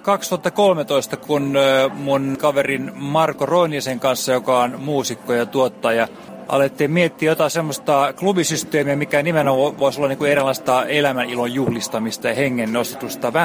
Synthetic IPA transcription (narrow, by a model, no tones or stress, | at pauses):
kɑkst̪uɑt̪ːɑkolmet̪oist̪ɑkunmunkɑʋerinmɑrkoroiniːseŋkɑnsːɑjokɑonmuːsikːojɑt̪uot̪ːɑːjɑ | ʔɑ̰let̪ːiːmmiet̪ːiːjot̪ɑsemːost̪ɑklubisyst̪eːmiæmikænimenooʋoisolːɑniŋkuerilːˑɑist̪ɑelæmænilojjuhlist̪ɑmist̪ɑjɑheŋːennost̪e̥t̪ːˑust̪ɑʋæ